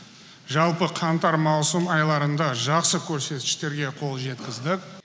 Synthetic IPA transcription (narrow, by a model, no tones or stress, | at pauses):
ʒɑlˠpəqʰɑnt̪ɑɾmɑwsəmɑjlˠɑɾənd̪ɑʒɑqsəkʲʰɵɾse̞t̪kɪ̥ʃt̪e̞ɾɡʲe̞qʰo̞lˠʒe̞t̪kʲɪzd̪ɪk̚